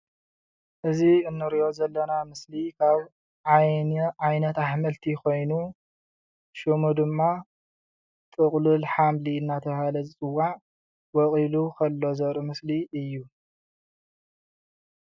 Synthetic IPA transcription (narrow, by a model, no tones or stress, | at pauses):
ʔɨziɨnːɨɾiʔo̞zɐlːɐnamɨslikʰaβ | ʕajajnɐt̪aħmɐlt̪ʰikʰo̞jnu | ʃɨmud̪ɨmːa | t̪ʼɨχʼlulħamliɨnːat̪ʰɐβhalɐzɨt͡sʼɨwːaʕ | wɔkʼilukʰɐlːo̞zɐɾʔɨmɨsliɨjːu